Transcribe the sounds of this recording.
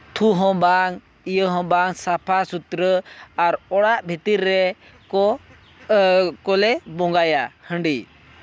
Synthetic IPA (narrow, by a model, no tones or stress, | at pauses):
t̪ʰuɦɔ̃baŋ | ijəɦɔ̃baŋsapʰasut̪ɾəaɾɔɽaʔbʱit̪iɾːɛ | kɔ | kɔlɛbɔ̃ŋɡajahəɳɖi